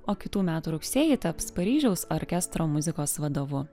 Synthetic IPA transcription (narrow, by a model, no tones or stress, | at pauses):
oːkʲɪt̪uːmʲæːt̪uːɾʊksʲeːjɪt̪ɐpspɐɾʲiːʒʲɛʊsoɾʲkʲɛst̪ɾoːmʊzʲɪkoːsʋɐd̪oːʋʊ